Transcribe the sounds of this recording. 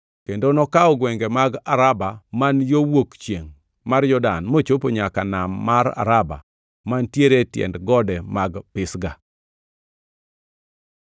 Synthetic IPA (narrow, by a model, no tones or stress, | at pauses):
kendonɔkaɔɡwɛŋɡemaɡaɾabamanjowokt͡ʃjeŋ | marjɔda̰nmot͡ʃopoɲakanamːaɾa̰ɾaba̰ | mantjeɾetjɛ̰ndɡɔdɛmaɡpɪsɡa